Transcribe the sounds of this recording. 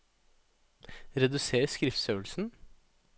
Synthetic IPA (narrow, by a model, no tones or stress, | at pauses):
ɾɛd̪ʉseːɾskɾɪft̪sœːlsn̩